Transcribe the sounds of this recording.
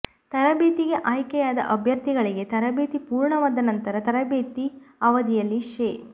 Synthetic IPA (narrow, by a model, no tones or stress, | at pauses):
t̪ɐɾɐbeːt̪iɡe̞ʔaːjkɛjaːd̪ɐ̰ʔɐbʱjɐɾt̪iɡɐɭiɡe̞t̪ɐɾɐbeːt̪ipuːɾɳɐʋaːd̪ɐnɐnt̪ɐɾɐt̪ɐɾɐbeːt̪iɐʋɐd̪ijɐlːiʃeː